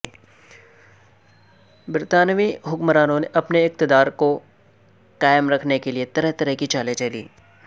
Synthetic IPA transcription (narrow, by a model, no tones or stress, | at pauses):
bɪɾt̪aːnʋiɦʊkmɾaːnõneʔɐpneɪk̚t̪ɪd̪aːɾko | qaːɪmɾɐkʰnekeliet̪ɐɾɛɦt̪ɐɾɛɦkit͡ʃaːlẽd͡ʒelḭː